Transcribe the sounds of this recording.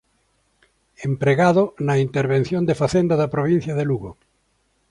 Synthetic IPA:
empɾeɣaðonaint̪eɾβen̟θjond̪efaθend̪aðapɾoβ̞ĩn̟θjaðeluɣo

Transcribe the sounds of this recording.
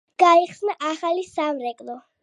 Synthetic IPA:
ɡ̥aiχsnaʔaχalisamɾɛkʼlˠɔ

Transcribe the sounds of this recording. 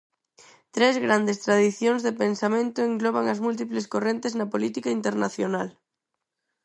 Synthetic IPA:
t̪ɾezɣɾand̪est̪ɾaðiθjoŋzðepensamẽnt̪oeŋɡlɔβ̞aŋazmult̪̬ipleskorent̪eznapolit̪ikaint̪eɾnaθjonal

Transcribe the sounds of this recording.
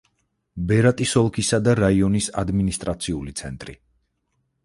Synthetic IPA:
bɛɾat̪ʼisɔlˠkʰisad̪aɾaiɔnisa̰d̪minist̪ʼɾat̪sʰiulit̪sʰɛnt̪ʼɾḭ

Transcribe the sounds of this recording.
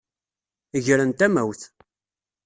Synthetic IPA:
əʝɾənt̪æmæwθ

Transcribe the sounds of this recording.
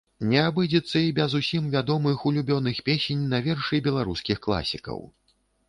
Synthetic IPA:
nʲɛabɨd͡zʲɛt̪sːɐibʲɛzusʲimvʲad̪ɔmɨxulʲubʲɔnɨxpʲesʲenʲnɐvʲɛrʂɨjbʲɛlˠaɾuskʲixklˠa̰sʲikɐ̰w

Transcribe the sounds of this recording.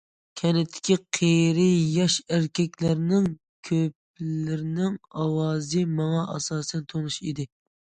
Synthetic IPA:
kʲʰɛnɪt̪ʰːɪ̥kʲiqʰeɾɪjɑʃæɾkʲʰɛkʲlæɾnɪŋ | kʲʰøp̚ | lɪɾnɪŋɑwɑːzɨmɑŋɑʔɑ̰sɑːsɛnt̪ʰonuʃid̪ɪ

